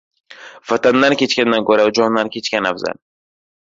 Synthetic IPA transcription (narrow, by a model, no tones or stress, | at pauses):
fat̪and̪ankʲe̞t͡ʃkʲand̪ankɵɾaʊd͡ʒɒnːankʲʰe̞t͡ʃkʲanafza̰l